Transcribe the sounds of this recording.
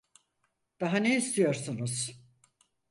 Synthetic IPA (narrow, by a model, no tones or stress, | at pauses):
d̪̥aɦaneist̪ʰijo̞ɾsunuz̥